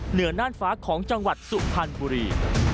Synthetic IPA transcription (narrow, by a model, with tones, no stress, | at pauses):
nɯ˩˦ɐnaː˥˩nfaː˦˥kʰɔː˩˦ŋt͡ɕa˧ŋwa˨˩t̪̚su˨˩pʰa˧nbuː˧ɾiː˧